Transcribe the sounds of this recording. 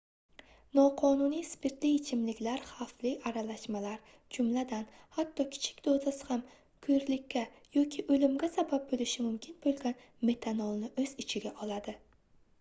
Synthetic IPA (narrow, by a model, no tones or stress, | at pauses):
nɒqʰɒnunijspʰe̞ɾt̪lijet͡ʃʰɪmlɪkʲlaɾχaflɪaɾalaʃmalaɾ | d͡ʒʊmlad̪anhat̪ʰːɒkʲʰɪ̥t͡ʃʰɪ̥k̚ʲd̪ozasɪ̥ham | kʰɵɾlɪkʲʰːa | jɒkʲʰɪʔɵlɪmɡʲasabab̚bolɪʃɪmʊmkʲʰɪnbolˠɡʲan | me̞t̪ʰanɒlˠnɪʔɵz̥ɪt͡ʃʰɪɡʲaʔɒlad̪ɪ